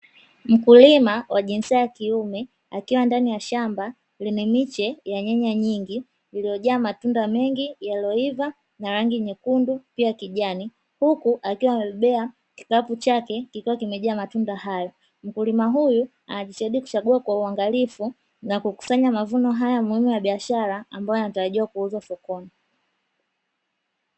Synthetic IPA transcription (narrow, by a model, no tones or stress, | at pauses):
m̩kulimawʔaʄinsiajakiumɛ | akiwandanijaʃamba | linɛmit͡ʃɛjaɲɛɲaɲiŋɡiː | lijɔʄaːmatundamɛŋɡijalɔiva | naɾaŋɡiɲɛkundupiakiʄani | hukuʔakiwamɛɓɛɓɛa | ki̥kaput͡ʃakɛkikiwakimɛʄaːmatundahajɔ | m̩kulimaɦuju | a̰naʄiʃɛɛɗiku̥t͡ʃaɠuakwauaŋɡalifu | nakuku̥saɲamavunɔɦajamuhimuwaɓiaʃaɾaːmbajɔanataɾaʄiwakuuzafɔkɔni